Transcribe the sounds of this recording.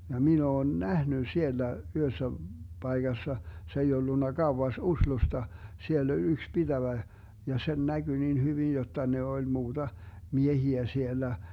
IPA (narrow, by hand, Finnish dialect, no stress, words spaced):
jɑ min oːn næhny sielːæ yhøsːæ b̥ɑiɡ̊ɑsːɑ se ei olːunːɑ ɡ̊ɑuwɑs uslustɑ sielː olʲ yks b̥id̥æʋæ jɑ sen næɡ̊y nin hyʋin jotːɑ ne olʲ muːd̥ɑ miehiæ sielːæ